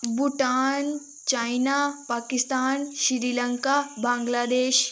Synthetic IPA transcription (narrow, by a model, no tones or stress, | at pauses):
buʈaːn | t͡ʃaːjnapaːkist̪aːnʃiɾiːlɐŋkabãːŋɡlaːd̪eːʃ